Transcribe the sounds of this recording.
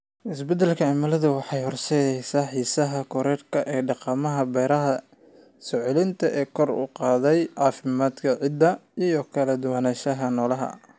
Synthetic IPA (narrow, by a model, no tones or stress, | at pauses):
ʔɪsbɛd̪ɛlkʰɐʕɛmɐlɐðɐwɑħɑjhɔrsɛjɛjsaːħiːsɐɦɐkʰɔɾɛːrkʰɐʔɛːɖɑqɑmɐɦɐbɛjɾɐɦɐ | sɔʕʊlɪnt̪ʰɐʔɛːkʰɔrʊ̰qɑːðɛjʕɑːfɪmaːd̪kʰɐʕɪd̪ːɐijɔkʰɐlɐd̪ʊwanaːʃɐɦɐnɔːlɐɦɐ̰